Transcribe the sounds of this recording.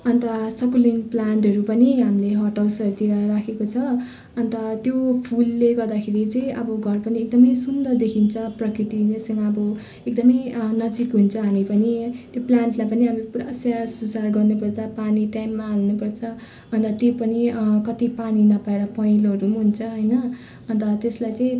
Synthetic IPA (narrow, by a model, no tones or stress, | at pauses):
ʌnt̪ʌsʌkulinplaɳʈɦʌɾupʌniɦamileɦʌʈʌlsʌɾut̪iɾaɾakʰekot͡sʰʌ | ʌnt̪ʌt̪jopʰulːeɡʌrd̪akʰeɾit͡sʌĩʌbʌɡʱʌrpʌniek̚d̪ʌmʌjsund̪ʌrd̪ekʰint͡sʰʌprʌkit̪inesʌŋɡʌːbʌ | ek̚d̪ʌmʌjnʌd͡zikɦunt͡sʰʌɦamipʌnit̪joplaɳʈlajpʌniɦamipuɾa̰sjasud͡zarɡʌrnupʌrt͡sʰʌpaniʈajmːaːlnupʌrt͡sʰʌ | ʌnt̪ʌt̪jopʌnikʌt̪ipaninʌpaeɾʌpʌĩlʌɾumɦunt͡sʰʌɦʌjnʌ | ʌnt̪ʌt̪eslajt͡sʌĩ